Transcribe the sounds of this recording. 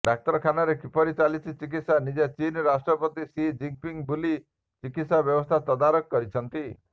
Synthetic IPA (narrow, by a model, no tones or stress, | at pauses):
ɖak̚t̪ɔɾɔkʰanaɾekipɔɾit͡ʃalit͡ʃʰit͡ʃik̬it̪sanid͡ʒat͡ʃinɾasʈɾɔpɔt̪isid͡ʒiŋpiŋbuli | t͡ʃikit̪sabjɔbɔst̪ʰat̪ɔd̪aɾɔkːɔɾit͡ʃʰɔnt̪i